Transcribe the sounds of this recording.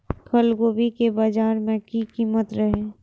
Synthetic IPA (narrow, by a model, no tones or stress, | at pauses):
kʰəlɡoːbikebaːd͡ʒaːɾmẽkikiːmət̪ɾəɦe